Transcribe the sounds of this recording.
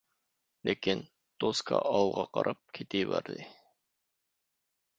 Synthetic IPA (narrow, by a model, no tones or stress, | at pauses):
lekʲin | t̪ʰoskʰɑ̰ʔɑlˠʁɑqɑ̰ɾʔɑp̚kʲʰet̪ʰijbæ̰ɾd̪ɪ